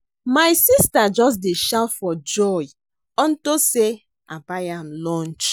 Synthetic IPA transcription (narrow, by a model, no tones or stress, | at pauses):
majsistad͡ʒɔs̬deʃatfɔd͡ʒɔj | ɔ̃ntose | abajãmlɔ̃nt͡ʃ